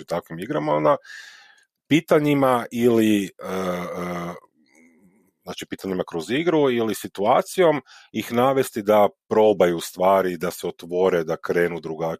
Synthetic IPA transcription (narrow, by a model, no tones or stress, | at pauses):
it̪akʋimiɡɾamaond̪a | piːt̪aɲimaʔiliə | znaːt͡ʃipiːt̪aɲimakɾo̞ziɡɾuilisit̪uaːt̪sijo̞m | ixnaːʋe̞st̪id̪apɾo̞bajust̪ʋaːɾid̪aseo̞t̪ʋo̞ɾe̞d̪akɾe̞ːnud̪ɾuɡa